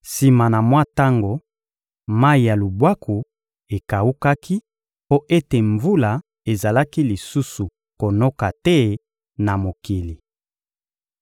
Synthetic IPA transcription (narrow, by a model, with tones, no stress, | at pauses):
si˨ma˨na˨mwa˦ta˦ŋɡo˨ | ma˦i˨ja˨lu˨bwa˦kʰu˨ | e˨ka˨u˦ka˦ki˦ | po˦ʔe˦te˨ɱvu˦la˨ | e˨za˨la˦ki˦li˨su˦su˨ | ko˨no˦ka˨tɛ˦ | na˨mo˨ki˨li˨